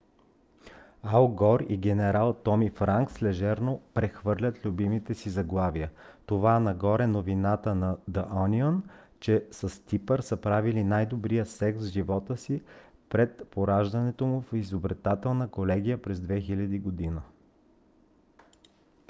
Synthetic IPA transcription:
alˠɡɔɾiɡʲɛnɛɾalˠt̪ɔmifɾaŋkslɛʒɛɾnopɾɛxvɤɾlʲət̪lʲubimit̪ɛsizɐɡlˠavijət̪ovaɛnɐɡɔɾɛnovinat̪ənɐd̪ɐʔɔniont͡ʃɛsəst̪ipəɾsəpɾavilinajd̪obɾijəsɛksʒivɔt̪əsipɾɛt̪poɾaʒd̪ɐnɛt̪omʊfizobɾɛt̪at̪ɛlˠnəkolɛɡʲijəpɾɛzd̪vɛxilʲɐd̪iɡod̪inə

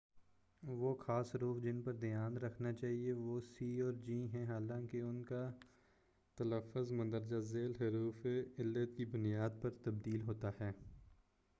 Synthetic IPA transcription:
ʋoxaːsɦɾuːfd͡ʒɪnpɐɾd̪ɪjaːnɾɐkʰnat͡ʃaːɦieʋoːsiːɔːɾd͡ʒiːɦɛ̃ɦaːlãːkeʊnka | t̪ɐləfːʊzmɐ̃nd̪əɾd͡ʒazeːlɦɐɾuːfeɪlːət̪̚kibʊnijaːd̪̚pɐɾt̪ɐbd̪iːlɦoːt̪aɦɛː

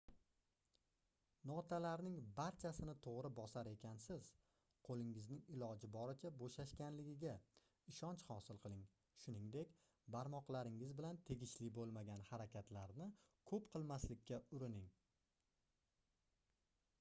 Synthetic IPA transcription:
nɒt̪ʰalaɾnɪŋbaɾt͡ʃʰasɪnɪt̪ʰoʁɾɪbɒsaɾe̞kʲʰansɪz̥ | qʰolˠɪŋɪznɪŋɪlˠɒd͡ʒɪbɒɾɪt͡ʃʰaboʃaʃkʲanlɪɡʲɪɡʲa | ɪʃɒnt͡ʃhɒsɪlˠqʰɨlˠɪŋ | ʃʊnɪŋd̪e̞kʲ | baɾmɒqlˠaɾɪŋɪzbɪlant̪ʰe̞ɡʲɪʃlɪbolˠmaɡʲanhaɾakʲʰat̪laɾnɪkʰɵpqʰɨlˠmaslɪkʲːaʊɾɪnɪŋ

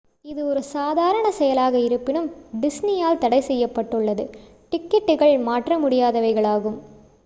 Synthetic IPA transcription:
ɪðɯɔɾɯsaːðaːɾɐɳɐsɛjɐlaːɣɐɪɾɯpːɪnɯmɖɪsnijaːlt̪ɐɽɐɪsɛjːɐpːɐʈːɯɭːɐðɯ | ʈɪkːɛʈːɯɣɐɭmaːʈrɐmʊɽɪjaːðɐʋɐɪɣɐɭaːɣɯm

